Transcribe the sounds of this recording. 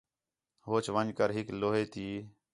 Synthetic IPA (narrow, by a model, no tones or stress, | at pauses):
ɦoːt͡ʃʋənd͡ʒkəɾɦɪkloːɦeːt̪iː